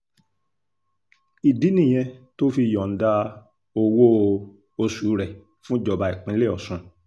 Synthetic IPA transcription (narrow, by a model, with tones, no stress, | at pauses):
i˨di˨˦nĩ˦˨j̃ɛ̃˧to˦fi˧jɔ̃˨n̩˦da˧ | o˧wo˦ | o˧su˨˦ɾɛ˨ | fũ˦d͡ʒɔ˨ba˨i˨k͡pĩ˧˦le˦˨ɔ˨sũ˨